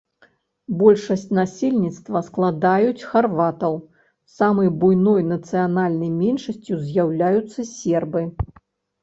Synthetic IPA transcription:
bɔlʲʂɐsʲt͡sʲnasʲilʲnʲit̪st̪vɐsklˠad̪ajut͡sʲxarvat̪ɐw | samɐjbujnɔjnɐt̪sɨjanalʲnɐjmʲɛnʂɐsʲt͡sʲjuzʲjawlʲajut̪sːɐsʲɛrbɨ

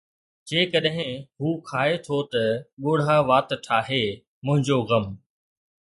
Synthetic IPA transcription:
d͡ʑeːkɐɗɦɪ̃ɦuːkʰaːet̪ʰot̪ɐɠoːɽ̤ʱaʋaːt̪ʈʰaːɦe | mʊ̃ɦɪ̃ɲd͡ʑoɣɐm

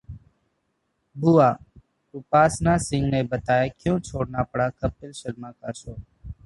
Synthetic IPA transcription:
buːaː | ʊpaːsnãːsɪ̃ŋɡnẽːbət̪aːeːkjõːt͡ʃʰoːɽnaːpəɽaːkəpɪlʃəlmãːkaːsoː

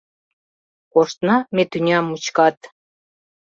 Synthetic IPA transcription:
koʃt̪nɑmet̪ynʲɑmut͡ɕkɑt̪

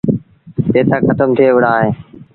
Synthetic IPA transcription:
t̪eːt̪aːkət̪əmt̪ʰɪeːʊɽaːɦeː

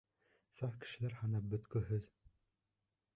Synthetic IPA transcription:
sɑfkɘ̥̆ʃɘ̆læɾhɑnɑp̚bɵ̆t̪kɵ̆ɦɵð

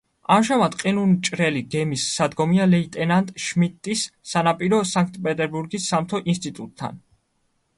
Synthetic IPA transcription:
amʒamad̪qʼinunt͡ʃʼɾɛliɡɛmisːad̪ɡɔmialɛit̪ʼɛnant̪ʼʃmit̪ʼːisːanapʼiɾɔsaŋk̚ʰt̪ʼpʼɛt̪ʼɛɾbuɾɡisːamt̪ʰɔʔinst̪ʼit̪ʼut̪ʼʰːa̰n

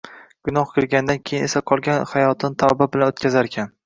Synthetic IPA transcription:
ɡ̥ʊnɒhkʰʲɪɾɡʲand̪ankʲʰejɪne̞saqʰɒlˠɡʲanhajɒt̪ʰɪnt̪ʰawbabɪlanot̪kʲazaɾekʲʰan

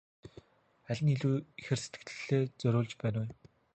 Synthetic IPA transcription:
æɮʲɘ̆niɮuːixɘ̆rse̥t̪ɡɘ̆kt̪ʰɘ̥̆ɬeːt͡sœɾʲʊːɮt͡ɕpæːnː

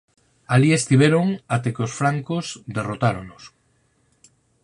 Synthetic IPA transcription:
aliest̪iβ̞eɾoŋat̪ekosfɾaŋkozd̪erot̪aɾonʊs

